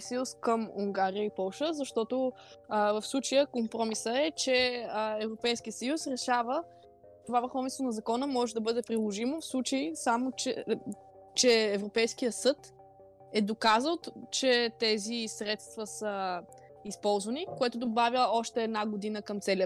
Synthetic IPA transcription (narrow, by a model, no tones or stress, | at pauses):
sjuskəmuŋɡaɾijəipɔlˠʃəzɐʃt̪ɔt̪o | vəfslˠut͡ʃəjəkompɾɔmisəɛt͡ʃɛəɛvɾopɛjskijəsɐjusɾɛʃavə | t̪ovavəɾxɔvisvonɐzɐkɔnəmɔʒɛd̪ɐbɤd̪ɛpɾilˠoʒimofslˠut͡ʃəisamoɛ | t͡ʃɛːvɾopɛjsk̟ijəsɤt̪ | ɛd̪okazəlˠt͡ʃɛt̪ɛzisɾɛt̪st̪vəsə | ispɔlˠzvɐnikoɛt̪ʊd̪obavjəɔʃt̪ɛːd̪naɡod̪inəkəmt̪sɛlʲə